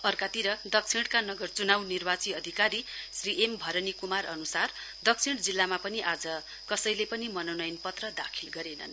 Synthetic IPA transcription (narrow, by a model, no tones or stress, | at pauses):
ʌrkat̪iɾʌd̪ʌkt͡sʰiɽkanʌɡʌrt͡sunawnirbat͡siʌd̪ʱikaɾisriʔembʱʌɾʌnikumarʌnusar | d̪ʌk̚sʰiɽ̃d͡zilːamapʌniʔad͡zʌ | kʌsʌjlepʌnimʌnonʌjnpʌt̪rʌd̪akʰilɡʌɾenʌ̰n